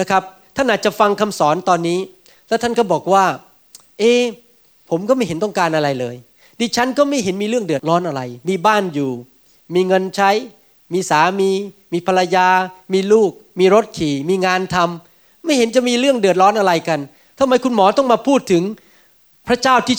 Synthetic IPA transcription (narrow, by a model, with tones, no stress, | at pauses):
na˦˥kʰɾa˦˥p̚ | t̪ʰa˥˩nʔaː˨˩t̪̚t͡ɕa˨˩fa˧ŋkʰa˧msɔː˩˦nt̪ɔː˧nːiː˦˥ | lɛ˦˥wt̪ʰa˥˩nkɔː˥˩bɔː˨˩k̚waː˥˩ | ʔeː˧ | pʰo˩˦mkɔː˥˩ma˥˩jɦe˩˦nt̪ɔ˥˩ŋkaː˧nʔa˧ɾa˧jlɤː˧j | diː˧t͡ɕʰa˦˥nkɔː˥˩ma˥˩jɦe˩˦nmiː˧ɾɯ˥˩əŋdɯ˨˩ət̪̚lɔː˦˥nʔa˧ɾa˧jmiː˧baː˥˩njuː˨˩ | miː˧ŋɤ˧nt͡ɕʰa˦˥j | miː˧saː˩˦miː˧miː˧pʰa˧la˧jaː˧miː˧luː˥˩k̚miː˧ɾo˦˥t̪̚kʰiː˨˩miː˧ŋaː˧nt̪ʰa˧m | ma˥˩jhe˩˦nt͡ɕa˨˩ʔmiː˧ɾɯ˥˩əŋdɯ˨˩ət̪̚lɔː˦˥nʔa˧ɾa˧jka˧n | t̪ʰa˧ma˧˥jkʰu˧nmɔː˩˦t̪ɔ˥˩ŋmaː˧pʰuː˥˩t̪ʰːɯ˩˦ŋ | pʰɾa˦˥t͡ɕaː˥˩wt̪ʰiː˥˩